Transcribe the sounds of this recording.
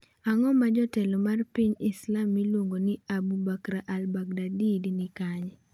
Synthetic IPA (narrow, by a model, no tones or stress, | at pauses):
aŋɔmad͡ʒɔtɛlɔmarpiɲɪslamːilwoŋɡonɪabubakɾaʔalbak̚dadidnɪkaɲ